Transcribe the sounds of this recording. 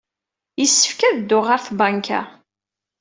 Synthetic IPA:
jəsːə̥fkæðd̪ːʊʁəɾθbaŋkʰæ̰

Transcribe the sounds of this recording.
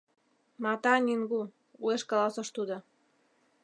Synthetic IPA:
mɑt̪ɑnʲiŋɡu | ueʃkɑlɑsə̆ʃt̪ud̪ŏ

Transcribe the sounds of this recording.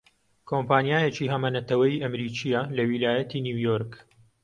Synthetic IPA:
kʰompaːnjaːjet͡ʃiːɦɐmɐnɐt̪ɐwɐjiʔɐmɾiːt͡ʃijalɐwilaːjɐt̪iniwjoɾk

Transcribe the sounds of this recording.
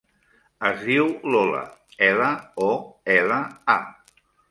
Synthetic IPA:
əzðiwlɔlə̰ɛləɔɛləa

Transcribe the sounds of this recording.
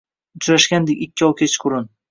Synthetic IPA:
ʊt͡ʃɾaʃɡʲand̪ekʲɪkʲʰːɪɒwkʲʰet͡ʃʰqʰʊɾɪn

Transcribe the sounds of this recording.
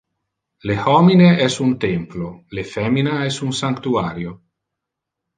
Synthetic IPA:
lehɔmineɛsunt̪emplolefɛminaɛsunsaŋkt̪uaːɾjo

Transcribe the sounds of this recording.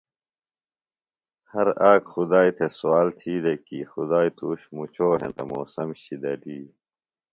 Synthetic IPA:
hɐɾaːkxud̪aːit̪ʰesuwaːlt̪ʰiːd̪ekixud̪aːit̪uːɕmut͡ɕʰoːɦḛ̃t̪ɐmoːsɐmɕid̪ɐliː

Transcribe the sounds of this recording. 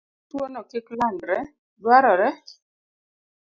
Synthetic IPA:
twonɔkɪklandɾɛ | dwaɾɔɾɛ

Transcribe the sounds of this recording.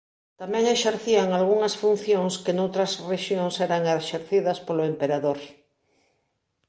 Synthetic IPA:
t̪amɛ̃ŋeʃeɾθiɐŋalɣuŋɐsfun̟θjoŋskenowt̪ɾɐsreʃjoŋsɛɾɐŋeʃeɾθiðɐspoloempeɾaðoɾ

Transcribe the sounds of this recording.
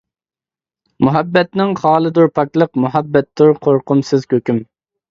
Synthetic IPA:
muɦɛbːɛt̪nɪŋχɑːlˠɨd̪uɾpʰɑklˠəqmuɦɛbːɛt̪ːuɾqʰoɾqʊmsɨzkʲøkʲym

